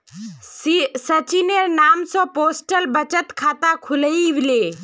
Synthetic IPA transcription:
isət͡ʃineɾnaːmsɔ̃poːsʈəlbət͡ʃət̪kʰaːt̪akʰʊləiʋile

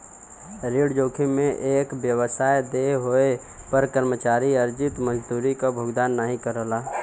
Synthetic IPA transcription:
ɾiːɽd͡ʒoːkʰimẽʔeːkbjəwəsaːjd̪eɦoe | pəɾkəɾmət͡ʃaːɾiəɾd͡ʒɪt̪mə̃d͡ʒd̪uːɾikabʱoːɡd̪aːnːaɦĩkəɾəlaː

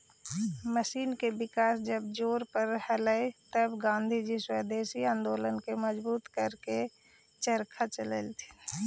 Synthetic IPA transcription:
məʃiːnkebɪkaːsd͡ʒəb̚d͡ʒoːɾpəɾhələet̪əbɡãːnd̪ʱid͡ʒiswəːd̪eːʃiãːnd̪oːlənkeməd͡ʒbuːt̪kəɾke | t͡ʃəɾkʰat͡ʃəlḛlt̪ʰi̥

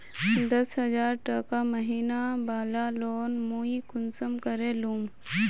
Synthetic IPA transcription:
d̪ɐsɦɐzaːɾʈɐkamɐɦiːnabaːlaloːnmoːikʊnsəmkɐɾeluːm

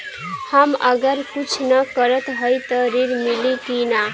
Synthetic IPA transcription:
hamʌɡʌɾkut͡sʰnʌkʌɾʌt̪ɦʌjt̪ʌɾiɾmilikina

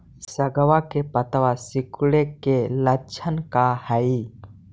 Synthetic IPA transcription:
səɡəʋakepət̪əʋasɪkuɽekelət͡ʃʰənkahəi

